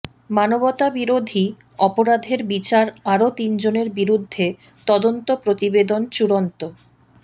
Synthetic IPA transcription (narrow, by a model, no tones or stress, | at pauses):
manobot̪abiɾod̪ʱi | ɔpoɾad̪ʱeɾbit͡ɕaɾaɾot̪ind͡ʑoneɾbiɾud̪ʱːe | t̪ɔd̪ont̪opɾot̪ibed̪ont͡ɕuɾont̪o